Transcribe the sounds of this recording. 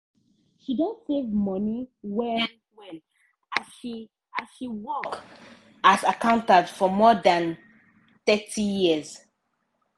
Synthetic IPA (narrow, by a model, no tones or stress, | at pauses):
ʃidõntsevmɔniwɛ | wɛ̃n | a | i | aʃiwɔk | azakãʊ̃ntadfɔmɔdãn | t̪ɛtʰijiəz̥